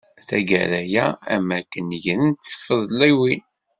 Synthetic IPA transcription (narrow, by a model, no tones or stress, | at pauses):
θæɡæɾæjææmækːənːəʝɾənt̪θə̥fːəðˤlæwin